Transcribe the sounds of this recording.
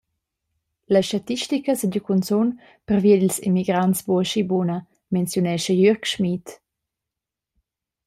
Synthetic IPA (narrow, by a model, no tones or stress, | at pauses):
laʃtat̪iʃtikəsəɟəkunt͡sun | pərviedilsḭmiɡɾantsbuəʃibunə | mɛnt͡sjunɛʃəjyɾkʃmit